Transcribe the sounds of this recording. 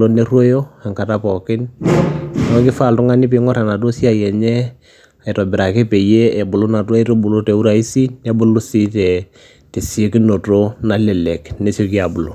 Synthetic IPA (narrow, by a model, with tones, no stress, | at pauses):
lo˦ne˦rwo˦jo˦a˨ŋka˨ta˦pɔ˨kɪ˦n | nɔ˦kɪ˦fa˨ltʊ˦ŋa˦nɪ˦p̬ɪ˨˦ŋɔ˦ɾa˨na˨t̬o˦si˦a˨jɛ˨ɲɛ˦ | a˨ɪ˨tɔ˨bɪ˨ɾa˨ke˦pe˨je˦ɛ˨bʊ˨lo˦na˨ta˦i˦ɾo˦bu˨lo˦tɛ˨u˦ɾa˨i˦si˦nɛ˦bʊ˨˦lʊ˦si˦tɛ˨ | te˨se˦ki˦no˨to˦na˦lɛ˨lɛ˨kne˨˦so˦˧ki˦a˨bʊ˨lo˨